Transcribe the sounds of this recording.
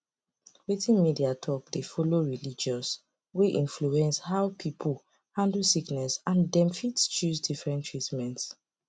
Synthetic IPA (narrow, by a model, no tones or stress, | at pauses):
witĩnmidiatʰɔk̚defɔloɹilid͡ʒɔs | weʔĩnfluɛ̃nshaʊwpʰipʰl | hãndl̩siknɛsãndɛ̃mfitst͡ʃuzdifɹɛ̃ntʰɹitmɛ̃nts